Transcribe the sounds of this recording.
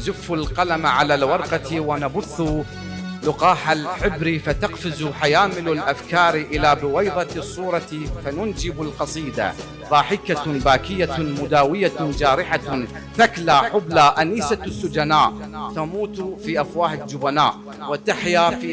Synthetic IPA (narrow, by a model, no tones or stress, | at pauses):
zʊfːʊlqɑlamaʕalalwɑɾˤqɑt̪wanabʊθː | lʊqɑːħalħɪbɾifat̪ɑqfɪzħajaːmɪlalʔafkɑːɾʔɪlaːbɪwajðˤɑsˤːuːɾˤɑt̪fanʊnd͡ʒɪbalqɑsˤiːd̪a̰ | ðˤɑːħɪkabaːkɪjːamʊd̪aːwɪjad͡ʒaːɾɪħa | θaklaħʊblaʔaniːsasːʊd͡ʒanaːʔ | t̪amuːt̪fiːʔafwaːħɪd͡ʒʊbanaːʔ | wɪt̪aħjaf